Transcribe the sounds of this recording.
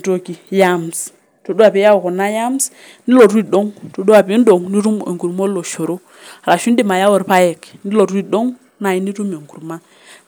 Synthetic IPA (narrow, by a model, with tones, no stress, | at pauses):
to˨ki˨ja˦ms | to˨du˦a˨pi˨˦ja˦wo˨ko˨na˦ja˦m˦s | ni˦lo˨ɾu˦i˦˨do˦ŋto˨du˦wa˨pi˨˦ndo˨ŋni˦ɾu˦m˨ḛ˨ŋɡu˨ɾmo˦lo˨ʃo˨ɾo˦˨ | ɾa˨ʃu˦n˦di˦˨ma˨ja˦wo˨ɾpa˦je˨kni˦lo˨ɾi˦do˦ŋ | na˨ji˦ni˦ɾu˦me˨ŋɡu˨ɾma˦